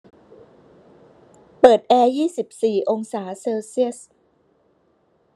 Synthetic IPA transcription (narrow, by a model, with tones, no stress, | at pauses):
pɤː˨˩t̪̚ʔɛː˧jiː˥˩si˨˩p̚siː˨˩ʔo˧ŋsaː˩˦seː˧wsi˥˩əs